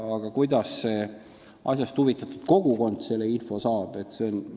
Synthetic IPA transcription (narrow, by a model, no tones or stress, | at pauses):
ɑɡ̥ɑkujd̪̥ɑsːe̞ | ʔɑ̰sʲjɑst̪huvit̪ːˑɑt̪ːˑud̪̥ko̞ɡ̥uko̞nd̪se̞lːeinfo̞sɑːb̥e̞t̪seon